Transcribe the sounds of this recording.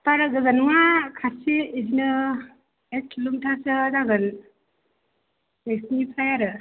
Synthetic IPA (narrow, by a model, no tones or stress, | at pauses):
paɾaɡɯzanuwakʰasiezinɯ | ek̚tʰlumtʰasɯdaɡɯl | eksnipʰajaɾɯ